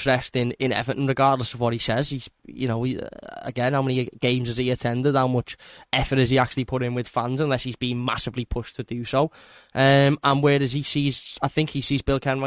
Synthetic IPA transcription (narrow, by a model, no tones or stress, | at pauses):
ɹɛstɪ̃nɪ̃nɛ̰vəʔnɹɪɡɑːdˡləsəvwɒt̚hisɛz̥iz̥jə̰noʊ̰ə̰ɡɛ̃nhaʊmɛ̃niɡ̥ẽɪ̃mzɪziətʰɛ̃ndɪd̥̚haʊmʊt͡ʃɛfəɾɪziak̚t͡ʃʉəl̩ˠipʰʊɾɪ̃nwɪð̥fãnzə̃nlɛshizbĩːɪ̃ŋma̰sɪvlipʰʊʃtʰədəsoʊ | ʔʌmə̃nwəːdəz̥isiːzaɪθɪ̃ŋkhisiːzbɪlˠkʰɛ̃n